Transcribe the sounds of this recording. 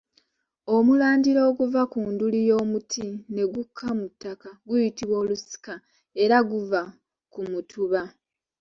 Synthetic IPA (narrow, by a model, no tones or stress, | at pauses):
o̞mulaːndiɾo̞ːɡuvakuːndulijo̞ːmutʰine̞ɡukʰːamutːakaɡujitiβwoːlusi̥ka | e̞ɾaɡuva | kumutʰuβa